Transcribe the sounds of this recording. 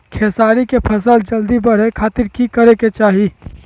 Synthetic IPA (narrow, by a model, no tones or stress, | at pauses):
kʰesaɾikepʰəsəld͡ʒəld̪ibəɽ̤ekʰat̪iɾkikəɾeket͡ʃaɦi